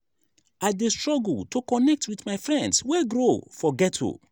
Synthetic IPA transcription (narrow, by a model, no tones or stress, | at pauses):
adestɹɔɡl̩tʰokɔnɛk̚tʰwiθmaɪfɹɛ̃ndswɛɡɹofɔɡɛtʰṵ